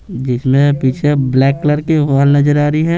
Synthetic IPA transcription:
d͡ʒɪsmẽpiːt͡ʃʰeblɛːkːləɾkeʋaːlnɐzəɾaːɾəiɦɛ

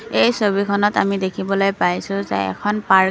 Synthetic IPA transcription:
ejsobikʰɔnɔtamidekʰibɔlojpajsʊ̃zḛɛ̰kʰɔnpa

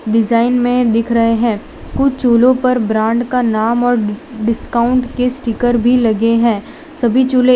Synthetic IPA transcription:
ɖɪd͡ʒaːɪnmẽd̪ɪkʰɾɐɦeɦɛ̃ː | kʊt͡ʃʰt͡ʃoːlõpɐɾbɾãːɳɖkanaːmɔːɾɖɪskaːʊ̃ɳʈkesʈikəɾbʱilɐɡeɦɛ̃ː | sɐbʱit͡ʃoːle

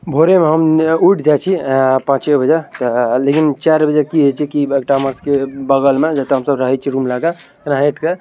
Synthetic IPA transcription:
bʱoɾemeɦəmuʈʰd͡ʒat͡ʃʰipãt͡ʃebʱəd͡ʒet̪lekint͡ʃaɾbʱəd͡ʒekiɦet͡ʃʰikiekʈaməskebəɡəlmed͡ʒət̪eɦəmsəbɾəɦɛt͡ʃʰiɾumlaɡa | knaɦeʈʰke

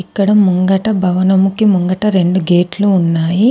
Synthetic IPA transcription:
ikːɐɽɐmmuŋɡɐʈɐbʱɐʋɐnɐmukimuŋɡɐʈɐɾe̞ɳɖuɡe̞ːʈluːnːaːji

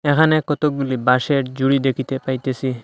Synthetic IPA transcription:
ɛkʰanekɔt̪ok̚bulibaʃeɾd͡ʑuɽid̪ekʰit̪epajt̪esi

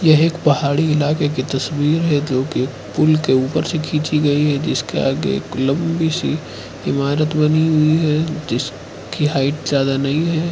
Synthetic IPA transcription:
jɐɦeːkpɐɦaːɽiɪlaːkek̬it̪ɐswiːɾɦɛd͡ʒoːke | pʊlkeuːpəɾsekʰiːt͡ʃiɡɐiɦɛd͡ʒɪskḛa̰ːɡḛːklɐ̃mbisi | ɪmaːɾət̪bɐniɦʊiɦɛd͡ʒɪs | kiɦaːɪʈzjaːd̪anɐɦĩɦɛː

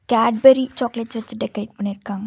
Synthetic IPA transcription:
kaːɖ̚beɾit͡ʃɔːkleʈt͡ʃʋɐtt͡ʃːɨɖekɾeːʈ̚pɐɳːiɾkːaːŋɡɐ

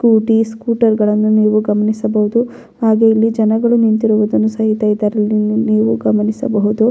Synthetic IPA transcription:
skuːʈiskuːʈɐɾɡɐɭɐnːuniːʋuɡɐmɐnisɐbɐɦud̪u | haːɡeilːid͡ʒɐnɐɡɐɭunint̪iɾuʋud̪ɐnːusɐɦit̪ɐjid̪ɐɾɐlːinniːʋuɡɐmɐnisɐbɐɦud̪u

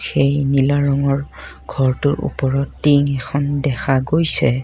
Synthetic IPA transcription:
xejnilaɹɔŋɔɹ | ɡ̥ʱɔɹtʊɹṵpɔɹɔtːiŋɛkʰɔndɛxʰaɡojsɛ

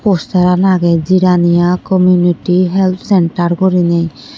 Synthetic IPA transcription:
pɔst̪aɾanaɡɛziɾanijakɔmjuniʈiɦɛlt̪ʰsɛɳʈaɾkɔɾinɛj

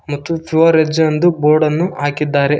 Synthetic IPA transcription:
mɐt̪ːupuʋɐɾed͡ʒɐnd̪uboːɾɖɐnːuaːkid̪ːaːɾe

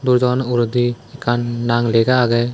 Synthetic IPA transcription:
d̪uɾd͡ʒɔnuɾd̪iɛkanːaŋlɛɡaaɡɛ

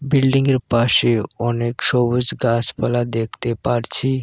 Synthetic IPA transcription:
bilɖiŋeɾpaʃeɔnekʃɔbod͡ʑɡaspalad̪ekʰt̪epaɾt͡ɕʰi

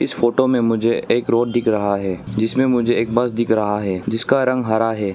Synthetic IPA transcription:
ɪsfoːʈomẽmʊd͡ʒʱeeːkɾoːɖd̪ɪkʰɾɐɦaɦɛːd͡ʒɪsmẽmʊd͡ʒʱeeːk̚bɐsd̪ɪkʰɾɐɦaɦɛːd͡ʒɪskaɾɐ̃ŋɡɦaɾaɦɛː

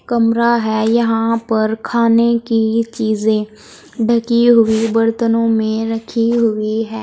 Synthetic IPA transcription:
kəmɾaɦɛːjɐɦãpɐɾkʰaːnekit͡ʃiːzẽː | ɖʱəkiɦʊiʋəɾt̪ənõːmẽɾəkʰiɦʊiɦɛː

